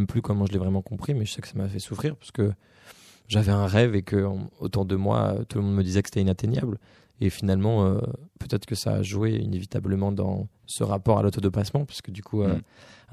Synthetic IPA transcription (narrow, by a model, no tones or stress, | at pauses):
mplykɔmɑ̃ʒəlɛvʁɛmɑ̃kɔ̃pχimɛʒəsɛkə̥samafɛsufχiʁpḁsə̥kə | ʒavɛɛ̃ʁɛvekəo̰t̪uʁd̪əmwa̰ø̰t̪uləmɔ̃d̪məd̪izɛkə̥se̥t̪ɛinat̪eɲja̰bl | efinalmɑ̃øpøt̪ɛt̪χəkəsa̰ːʒweḭnevit̪abləmɑ̃d̪ɑ̰̃ | sə̰ʁapɔʁa̰lot̪ɔd̪epasmɑ̃pɥḁskəd̪ykʰuø